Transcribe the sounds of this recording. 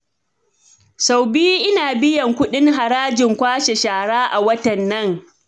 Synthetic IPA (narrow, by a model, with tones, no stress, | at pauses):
sa˨wbi˦ʔɪ˦naː˨bɪ˦jɐ˨ŋkʷʊ˦ɗɪ˦ŋɦa˨ɾaː˦d͡ʒɪ˨ŋkʷaː˦ʃe˨ʃaː˨ɽaː˦ʔa˨wɐ˦tɐ˨nːɐ˦ŋ